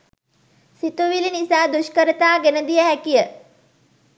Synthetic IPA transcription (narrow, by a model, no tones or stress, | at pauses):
sit̪uʋilinisaːd̪uʃkəɾət̪aːɡenəd̪ijəɦækijə